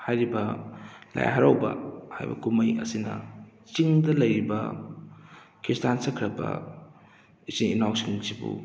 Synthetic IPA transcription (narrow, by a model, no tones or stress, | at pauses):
hajɾibɐla̰j̰ɦaɾawbɐ̰ha̰jbɐ̰kumɐjɐ̰sinɐ̰ | t͡ʃiŋdɐlɐjɾibɐ | kɾistansɐkʰɾɐbɐ̰ | isiŋinawksiŋsibṵ